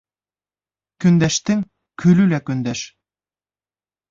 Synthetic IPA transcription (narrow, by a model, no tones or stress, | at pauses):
kɵ̆nd̪æʃt̪ɘŋ | kʰɵlʉlækɵ̆nd̪æʃ